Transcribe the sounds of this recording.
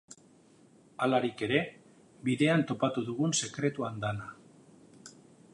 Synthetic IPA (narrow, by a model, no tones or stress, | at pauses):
alaɾike̞ɾe̞ | biðe̞ant̪o̞pat̪uðuɣ̞unse̞kɾe̞t̪uand̪ana